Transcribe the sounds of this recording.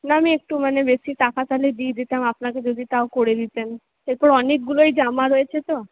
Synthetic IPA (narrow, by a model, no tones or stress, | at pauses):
naamiek̚ʈumanebesiʈ̪akat̪aled̪ied̪it̪amapnaked͡ʑod̪ʱit̪aokoɾed̪it̪en | eɾpɔɾɔnek̚ɡuloejd͡ʑamaɾoet͡ɕʰet̪o